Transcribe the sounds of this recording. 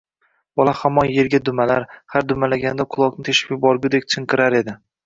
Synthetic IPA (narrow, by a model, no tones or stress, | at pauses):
bɒlˠahamːɒnje̞ɾɡʲad̪ʊmalaɾhaɾd̪ʊmalaɡʲand̪aqʰʊlˠɒqnɪt̪ʰeʃɪ̥pɪbɒɾɡʲʊd̪ek̚ʲt͡ʃʰɨɴqʰɨɾaɾe̞d̪ɪ